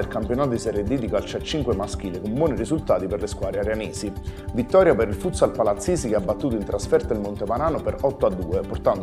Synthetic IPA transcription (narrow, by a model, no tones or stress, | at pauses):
elkampjonaːt̪od̪isɛred̪ːid̪ikalt͡ʃat͡ʃːiŋkwemask̟iːlekombwɔːnirisult̪aːt̪iperleskwaːɾeaɾeaneːsivit̪ːɔːɾjapeɾilfut̪salpalat̪sːiːsik̟eabːat̪ːuːt̪oint̪ɾasfɛrt̪oilmont̪epaɾaːnopeɾɔt̪ːoad̪ːuːeport̪and̪